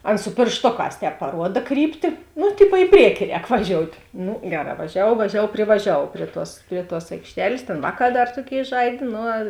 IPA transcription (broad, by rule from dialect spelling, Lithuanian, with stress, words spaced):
ˈɐn sʊ pʲeːrʃˈtoːˌkɑːs ˈtʲɛːp pɐˈruɔdɐ ˈkrʲiːpʲtʲɪ ˈnʊ ˈtʲɪpoː ɪ ˈpʲrʲiɛkʲɪ ˈrʲɛːk ʋɐˈʒʲoːʊtʲ ˈnʊ ˈɡʲæːˌrɑː ʋɐˈʒʲæːʋuɔw ʋɐˈʒʲæːʋuɔw pʲrʲɪʋɐˈʒʲæːʋuɔw ˈpʲrʲiɛ ˌtuɔs ˈpʲrʲiɛ ˌtuɔs ɐɪkʃʲˈtʲæːlʲeːs ˈtʲeːn ˈʋɑːˌkɑː ˈdɐr ˈtuɔˌkʲeːɪ ˈʒɐɪdʲeː ˈnʊ